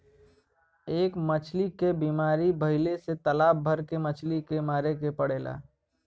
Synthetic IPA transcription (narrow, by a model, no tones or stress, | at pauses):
eːkmət͡ʃʰlikebiːmaːɾibəɦɪleset̪əlaːb̚bʱəɾkemət͡ʃʰlikemaːɾekepəɽeːla̰ː